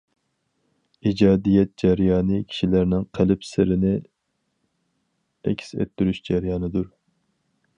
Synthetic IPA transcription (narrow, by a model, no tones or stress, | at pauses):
id͡ʒɑːd̪ijɛt̪̚d͡ʒɛɾjɑːnɨkʲʰi̥ʃilæɾnɪŋqʰælɪpsɪɾɪnɪ | ɛ̰kʲʰsɛ̰t̪ːyɾyʃd͡ʒɛɾjɑːnɨd̪uɾ